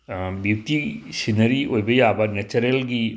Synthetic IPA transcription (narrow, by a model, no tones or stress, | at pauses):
bjutisinɐɾiʔojbɐjabɐnet͡ʃɐɾelɡi